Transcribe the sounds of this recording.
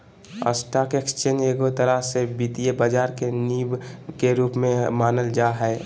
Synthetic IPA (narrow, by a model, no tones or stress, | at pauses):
ə̰sʈaːkekst͡ʃeːneːɡot̪əɾəsebiːt̪iebəd͡ʒaːɾkeniːbkeɾuːpmẽmaːnəld͡ʒaːɦɛː